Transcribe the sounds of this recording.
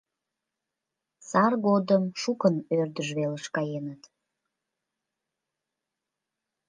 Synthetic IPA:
sɑrɣod̪əmʃukənørd̪əʒβeləʃkɑjenət̪

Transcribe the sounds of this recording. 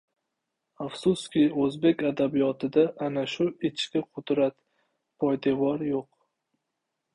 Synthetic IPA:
afsʊskʲɪɵzbe̞kʲad̪abijɒt̪ʰɪd̪aʔːnaʃʊɪt͡ʃkʲɪqʰʊd̪ɾat̪ | pʰɒjd̪evɒɾjoq

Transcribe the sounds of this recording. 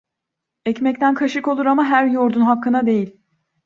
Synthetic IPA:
ɛcmɛc̚t̪ʰænkʰaʃɯko̞lˠuɾamaɦæɾjoɾd̪unɦakːɯnad̪e̞jilʲ

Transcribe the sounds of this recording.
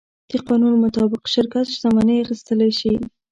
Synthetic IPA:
d̪̥iqɑnunmʊt̪ɑbɪqʃɪɾkat̪ʃzamanəjaxist̪əlajʃi

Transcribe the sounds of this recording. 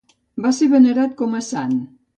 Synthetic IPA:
βaseβəneɾat̪̚komasan

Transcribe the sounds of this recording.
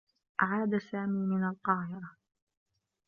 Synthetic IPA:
ʔaʕaːd̪asaːmiːmɪnalqɑːhɪɾɑ

